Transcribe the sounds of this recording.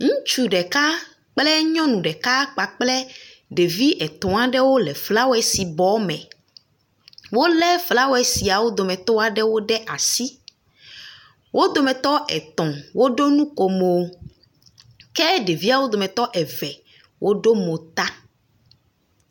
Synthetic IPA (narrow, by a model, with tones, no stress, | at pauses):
ŋũ˦t͡ʃu˨ɖɛ˨ka˦ | k͡plɛ˦ɲɔ̃˦nũ˨ɖɛ˨ka˦k͡pa˨k͡plɛ˦ | ɖe˨vi˦ʔɛ˨t̪ɔ̃˨a˨ɖɛ˦wo˦lɛ˨fla˦wo˦ɛ˨si˨bɔ˨˦mɛ̰̃˨ | wo˦lɛ˦fla˦wo˦ɛ˨si˨a˨wo˦d̪o˨mɛ̃˨t̪ɔ˦a˨ɖɛ˦wo˦ɖɛ˦ʔa˨si˦ | wʔo˦d̪o˨mɛ̃˨t̪ɔ˦ʔɛ̰˨t̪ɔ̃˨wo˦ɖo˦nũ˦ko˨mo˨˦ | kɛ˦ɖe˨vi˦a˨wo˦d̪o˨mɛ̃˨t̪ɔ˦ʔɛ˨vɛ˨ | wʔo˦ɖo˦mo˨t̪a˦